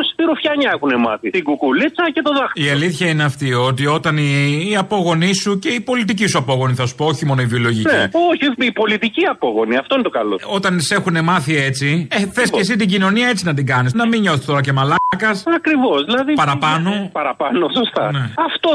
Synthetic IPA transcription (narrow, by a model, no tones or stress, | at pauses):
st̪iɾufçɐɲɐexunemɐ̰θit̪iɡukulit͡sɐce̞t̪oðɐxiɐliθçɐine̞ɐft̪io̞t̪io̞t̪ɐniːɐpo̞ɣo̞nisuce̞ipo̞lit̪icisuɐpo̞ɣo̞niθɐsu̥pooçimo̞noivio̞lo̞ʝinieoçiipo̞lit̪iciɐpoɣo̞niɐft̪oinet̪okɐlo̰o̞t̪ɐnise̞xune̞mɐθie̞t͡sieθe̞sces̬it̪iɟino̞niɐe̞t͡sinɐt̪̬iŋɡɐnisnɐmiɲo̞θest̪o̞ɾɐce̞mɐlɐkɐsɐkɾivo̞sðilɐðipɐɾɐpɐno̞pɐɾɐpɐnosost̪ɐ̰neɐft̪o